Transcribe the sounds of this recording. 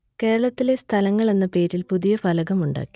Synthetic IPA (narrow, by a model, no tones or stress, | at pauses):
ke̞ːɾɐɭɐt̪ːile̞st̪ʰɐlɐŋːɐɭe̞nːɐpe̞ːɾilpuðijɐfɐlɐɣɐmuɳɖa̰ːkːi̥